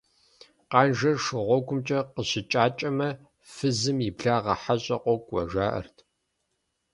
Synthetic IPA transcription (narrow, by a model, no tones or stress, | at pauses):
qɑːnʒɐrʂɨʁʷɔɡʷʰʊmt͡ʃʼɐqəɕɪt͡ʃʼaːt͡ʃʼɐmɐ | fɨzɨmjibɮaːʁɐħaɕʼɐqʷʼɔkʷʼwɐ̰ʒaːʔɐ̰rtʰ